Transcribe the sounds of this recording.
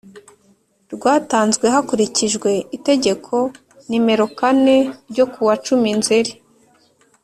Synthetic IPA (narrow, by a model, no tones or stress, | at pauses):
ɾɡwaːtaːnzɡwe̞ɦakuɾiciʒɡwe̞ite̞ɟe̞kʰo̞ | nime̞ɾo̞kane̞ɾɟo̞kuwat͡ʃuminzeɾi